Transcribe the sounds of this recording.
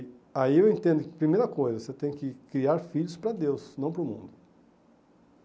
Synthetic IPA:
aiewẽnt̪ẽnd̪ʊkɪpɾimejɾɐkojzɐset̪ẽj̃kɪkɾiaɾfiʎʊspɾɐd̪ewsnɐ̃w̃pɾʊmṵ̃nd̪ʊ

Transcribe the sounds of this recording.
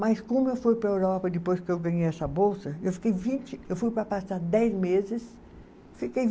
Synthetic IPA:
mɐjskõmʊewfujpɾɐewɾɔpɐd̪ɪpojskɪewɡɐ̃ɲejɛsɐbowsɐewfi̥kejvĩt͡ʃɪewfujpɾɐpasaɾd̪ɛjzmezɪs | fikej

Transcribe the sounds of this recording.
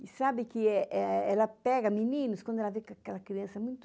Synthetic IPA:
ɪsabɪkɪɛʔɛɛlɐpɛɡɐminĩnʊskwɐ̃nd̪ʊɛlavekakɛlɐkɾiɐ̃sɐmũj̃t̪

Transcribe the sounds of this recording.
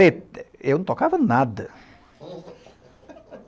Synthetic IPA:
et̪ewñt̪okavɐnad̪ɐ

